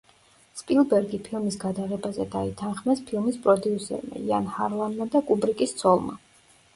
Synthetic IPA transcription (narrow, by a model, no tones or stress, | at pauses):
spʼilˠbɛɾɡipʰilˠmisɡad̪aʁɛbazɛd̪ait̪ʰanχmɛspʰilˠmispʼɾɔd̪iusɛ̰ɾma̰ianhaɾlˠanmad̪akʼubɾikʼist̪sʰɔlˠma̰